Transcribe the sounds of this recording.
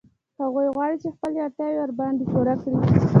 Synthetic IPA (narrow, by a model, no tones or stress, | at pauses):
haɣujɣwɑɽit͡ʃexpəleaɾt̪jɑwewaɾbɑnd̪ekuɾakɽi